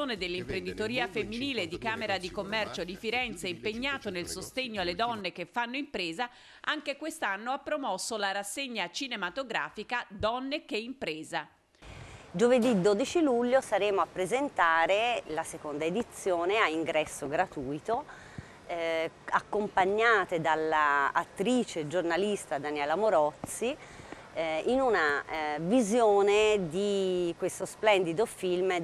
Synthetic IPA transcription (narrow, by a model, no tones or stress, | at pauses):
oːned̪elːimpɾend̪it̪oɾiːafemːiniːled̪ikaːmeɾad̪ikomːɛrt͡ʃod̪ifiɾɛnt̪seimpeɲːaːt̪onelsost̪eɲːoalːed̪ɔnːek̟efːanːoimpɾeːza | ʔaŋk̟ekwest̪anːoapːɾomɔsːolaɾasːeɲːat͡ʃinemat̪oɡɾa̰ːfikad̪ɔnːek̟eimpɾeːza | d͡ʒoved̪id̪ːoːd̪it͡ʃiluʎːosaɾeːmoapːɾezent̪aːɾelasekond̪aed̪it̪sːjoːneaiŋɡɾɛsːoɡɾat̪uːjt̪o | akːompaɲːaːt̪ed̪alːaːt̪ːɾiːt͡ʃed͡ʒornalist̪ad̪anjɛːlamoɾɔt̪sːi | inunavizjoːned̪ikwest̪osplɛnd̪id̪ofilm